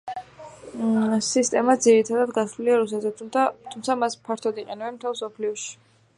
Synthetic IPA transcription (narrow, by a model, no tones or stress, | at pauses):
sist̪ʼɛmad̪ziɾit̪ʰad̪ad̪ɡasluliaɾus̬ɛt̪zɛt̪ʰat̪ʰumt̪sʰamaspʰaɾt̪ʰɔd̪iqʼɛnɛbɛnmt̪ʰɛlˠsɔpʰliɔʃi̥